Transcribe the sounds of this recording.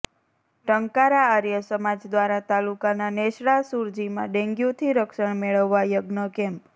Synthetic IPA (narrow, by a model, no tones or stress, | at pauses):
ʈəŋkaɾaːɾjəsəmad͡ʒd̪ʋaɾat̪alukananeʃɽasuɾd͡ʒimã̰ɖẽŋɡjũt̪ʰiɾəkʃəɳmeɭəʋːajəɡnəkɛ̃mp